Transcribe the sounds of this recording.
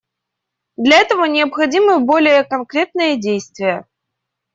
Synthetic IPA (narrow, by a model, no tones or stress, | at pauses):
d̪lʲɐɛt̪əvənʲɪəpxɐdʲimɨbo̞lʲɪjəkɐnkɾʲe̞t̪̚nɨjədʲejst̪vʲɪjə